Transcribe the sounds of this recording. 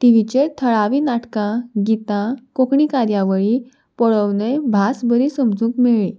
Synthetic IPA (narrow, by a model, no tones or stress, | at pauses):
t̪iʋit͡ɕet̪ʰəɭaʋiːnaʈkãɡit̪ãkokɳikaɾjaʋəɭi | pəɭəwnebʱasbəɾisəmd͡zũːkmeɭĩ